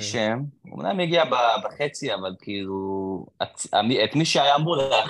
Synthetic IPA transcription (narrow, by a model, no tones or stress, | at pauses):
ʃemṵmna̰mjaɡiababaχet͡siavalkiilua̰tamiet̪miʃeajamulea